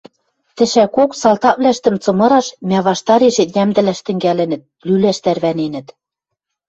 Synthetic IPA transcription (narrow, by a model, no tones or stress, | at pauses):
t̪ɘ̆ʃækoksɑlt̪ɑβlæʃt̪ɘ̆mt͡sɤ̆mɤ̆ɾɑʃmʲæβɑʃt̪ɑɾeʃet̪jæmd̪ɘ̆læʃt̪ɘ̆ŋɡælɘ̆nɘ̆t̪̚lylæʃt̪ærβænenɘ̆t̪